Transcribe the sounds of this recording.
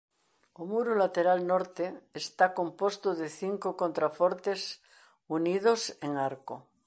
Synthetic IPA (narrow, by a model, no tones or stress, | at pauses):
omuɾolat̪eɾalnoɾt̪eːst̪akõ̞mpost̪oðeθiŋkokõnt̪ɾafoɾt̪es | unið̞oseŋaɾko